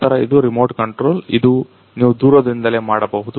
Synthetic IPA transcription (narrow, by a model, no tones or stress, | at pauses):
t̪ɐɾɐid̪uɾimoːɾʈkɐɳʈɾoːlid̪u | niːʋud̪uːɾɐd̪ɾind̪ɐle̞ːmaːɽɐbɐɦud̪u